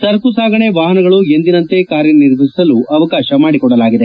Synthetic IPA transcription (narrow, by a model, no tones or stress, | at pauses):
t̪ɐɾkusaːɡɐɳeʋaːɦɐnɐɡɐɭue̞nd̪inɐnt̪e̞kaːɾjɐniɾʋʱisisɐluɐʋɐkaːʃɐmaːɽikɔɽːɐlaːɡid̪e